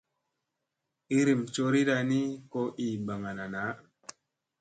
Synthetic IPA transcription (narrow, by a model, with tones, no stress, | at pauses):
i˦ɾi˨mt͡ʃo˧ɾi˦ɾa˧ni˦ko˧ʔi˨ba˨ŋa˨na˨na˨˦